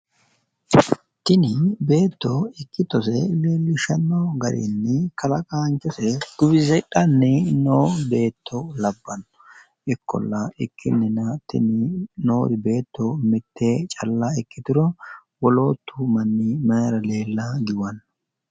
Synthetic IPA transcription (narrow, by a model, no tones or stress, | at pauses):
t̪ɪnɪbe̞ːt̪ːɔɪkːɪt̪ːɔsɛleːlːɪʃɐnːɔɡɐɾḭnːɪkɐlɐkʼaːnt͡ʃːɔsɛd̪̥ʊbɪzɛᶑɐnːɪnoːbe̞ːt̪ʰːɔlɐbːɐnɔ | ʔɪkːɔ̰lːɐɪkʰːɪ̰nːɪnɐt̪ɪ̰nɪnoːd̪ɪbe̞ːt̪ːɔmɪt̪ʰːe̞ːt͡ʃʼɐlːaɪkːɪt̪ɪɾɔ | wɔlo̞ːt̪ːumɐnːɪmɐɾɐle̞ːlːɐɡɪwɐnː